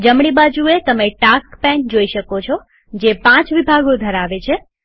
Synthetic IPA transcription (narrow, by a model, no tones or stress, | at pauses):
d͡ʒəmɽibad͡ʒuet̪əmeʈakpɛ̃nd͡ʒoiʃəkot͡ʃʰɔ | d͡ʒepãt͡ʃʋibʱaɡod̪ʱəɾaʋet͡ʃʰe